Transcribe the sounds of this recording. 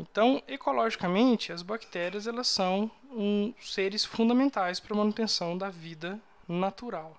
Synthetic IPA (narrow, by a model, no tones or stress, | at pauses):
ẽt̪ɐ̃w̃ekolɔʒikɐmẽnt͡ʃɪɐzbakt̪ɛɾiɐzɛlɐsːɐ̃w̃ | seɾɪsfũnd̪ɐmẽnt̪ajspɾɐmɐ̃nut̪ẽsɐ̃w̃d̪ɐvid̪ɐ | nat̪uɾaw